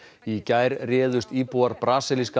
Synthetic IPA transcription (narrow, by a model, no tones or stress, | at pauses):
icajɾrɛːðʏst̪iːpuaɾpɾaːsɪliska